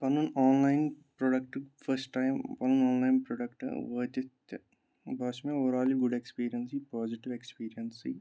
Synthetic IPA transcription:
pɐnunaːnlajnpɾoɖɐk̚ʈɨfʰɐɾsʈːajmpɐnunaːnlajnpɾoːɖɐkʈɨ̰ʋɐːt̪it̪ɐ | bʱɐːʃmeoːɾaːliɡuɖekspiːɾijɐnsipaːd͡ʒiʈiʋekspiːɾijɐnsi

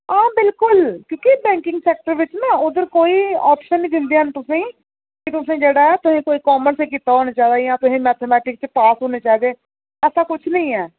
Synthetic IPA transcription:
ãːbɪlkʊlkjõːkɪbɛ̃ːŋkɪŋɡsɛːk̚ʈəɾʋɪt͡ʃnaːʊd̪əɾkoːiːaːpʃənːĩːd̪ɪ̃nd̪eənt̪ʊsẽː | kɪt̪ʊsẽːd͡ʒeːɽaːɛːt̪ʊsẽːkoːiːkaːməɾseːkiːt̪aːɦoːneːt͡ʃaːd̪aːjãːt̪ʊsẽːmɛːt̪ʰeːmɛːʈɪk̚t͡ʃpaːsɦoːneːt͡ʃaːid̪eː | ɛːsaːkʊt͡ʃʰnə̃ĩːɛː

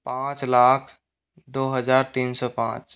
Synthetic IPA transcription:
pãt͡ʃlakʰ | d̪oɦəd͡ʒaɾt̪insɔːpã̰t͡ʃ

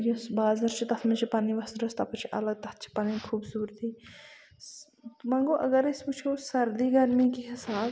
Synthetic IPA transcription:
josbaːzɐɾt͡ʃʰit̪ɐt̪ʰmɐt͡ʃʰipaːniʋɐsɾɐst̪ɐpɐt͡ʃʰiʔɐ̰lɐɡ̚t̪ɐt̪t͡ʃʰi̥paːnikʰuːbsuːɾt̪ʰiː | mɐŋɡoʔɐɡɐɾesʲput͡ʃʰoːsɐɾd̪iɡɐɾmikiɦɪsaːb

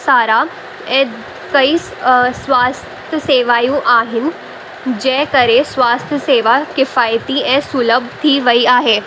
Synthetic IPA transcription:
saːɾa | ɛ̃ | kɐisswaːst̪ʰjəseːʋaːjũʔaːɦɪn | d͡ʒɛːkɐɾesʋaːst̪ʰjəseːʋakɪfaːjt̪iɛ̃suːləbʱt̪ʰiʋɐiaːɦɛː

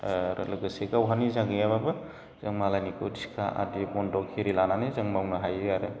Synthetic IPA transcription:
ɾlɯɡɯsekawɦanizaɡijababɯ | z̥ɯŋmalajnikʰotsi̥kʰaʔa̰dibɔndɔkʰiɾilananizɯŋmawnaɦajɯɡaɾɯ

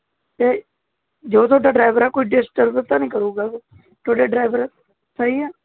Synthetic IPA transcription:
t̪eː | d͡ʒoːt̪ʰoːɖaːɖɾaːɪʋəɾɛːkoːiːɖɪsʈəɾbɾt̪ãːnĩːkəɾuːɡaːɡoː | t̪ʰoːɖeːɖɾaːɪʋəɾɛ | səiːɛː

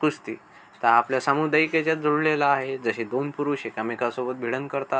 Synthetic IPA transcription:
kust̪ḭː | t̪aapljasamud̪ajket͡ɕjad͡zuɽlelaːɦed͡zəɕed̪onpuɾuɕekamikasobət̪̚bʱiɽəŋkəɾt̪a

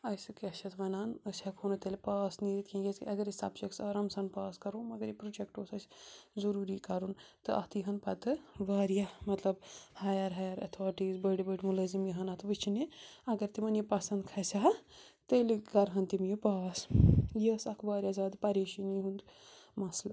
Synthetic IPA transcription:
ɐsɨkeʃʰɐt̪ʋɐnaːnəsʲɐkʰonɐt̪elʲpaːsniɾit̪kʰʲẽjeskiʔɐɡɐɾisa̰bt͡ʃɐksɐɾɐmsɐnpaːskɐɾoːmɐɡɐɾjipɾud͡ʒekʈoːsɐsʲzɐɾuːɾikɐɾun | t̪ɨʔɐ̰ht̪ijɦɐnpɐt̪ɨʋaːɾjamɐt̪lɐbhajɐɾɦajɐɾɐ̰t̪ʰoːʈizbɐɽibəɖʲimulɐzimjiɦɐnat̪ɨʋɨt͡ʃʰiniɐɡɐɾt̪imɐnjipɐsɐnd̪kʰɐsʲaɦɐ | t̪əliɡɐɾɦɐnt̪imjepaːsjəsɐkʰʋaːɾʲijazaːd̪pɐɾeːʃiniɦund̪ | mɐsl

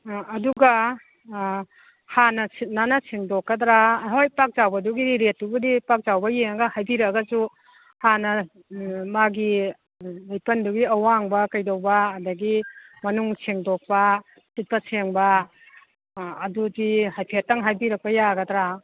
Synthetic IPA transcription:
ɐduɡa | hanɐsʰit̚nanɐsʰeŋdokːɐdɾaɦojpak̚zawbɐduɡidiɾet̚ːubudipak̚zawbɐjeŋɡɐhajbiɾɐɡɐzu | hanɐ | maɡi | lajpɐnduɡiɐwaŋbɐkɐjdowbɐːdɐɡimɐnuŋsʰeŋdok̚pɐ | sit̚pɐsʰeŋbɐ | dudihajpʰetːɐŋɦajbiɾɐk̚pɐjaɡɐd̪ɾa

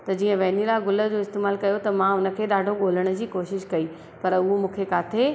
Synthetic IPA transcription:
t̪ɐd͡ʑiːə̃ʋɛːnilaːɡʊlə̆d͡ʑoːɪst̪eːmaːlkɐjot̪ɐmãʊnə̆kʰeːɗaːɖʱoɠoːləɽ̃d͡ʑiːkoːʃɪʃkɐi | pɐɾʊɦomũːkʰekaːt̪ʰe

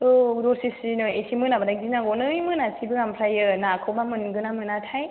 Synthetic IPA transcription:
ɯdɔɾsisinɯesimɯnabadaɡ̚dinaɡɔnɯjmɯnasibɯɡampʰɾajɯnakʰɯwmamɯnɡɯnamɯnatʰaj

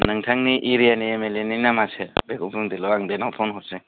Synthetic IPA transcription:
naŋtʰaŋniʔiɾijaniemeleninamasebekʰumpʰuŋdilɔaŋdenawpʰɔnɦɔse

